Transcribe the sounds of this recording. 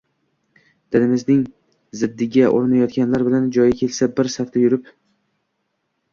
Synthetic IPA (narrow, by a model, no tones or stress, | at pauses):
d̪̥ɪnɪmɪznɪŋ | zɪd̪ːɪɡʲaʔoɾnajɒt̪̚kʲanlaɾbɪland͡ʒɒjakʲʰe̞lsabɪɾsaft̪ajʊɾɪp